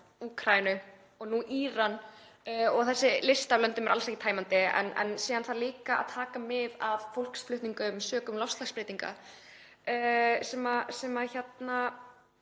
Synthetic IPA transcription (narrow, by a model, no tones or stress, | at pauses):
uːkʰɾaːjnʏ | ɔɣnuʔiːɾan | ɔɣθɛsːɪlɪst̪alœnt̪ʏmɛɾalsɛhcːɪt̪ʰaːjmant̪ɪɛ̰nɛ̰nsɛːðanθaliːkaa̰ðt̪ʰaːkamɪðavfowl̥ksflʏht̪niŋkʏmsœːkʏmlɔfst̪laɣspɾɪːt̪iŋka̰ | sɛːmasɛmaçɛt̪na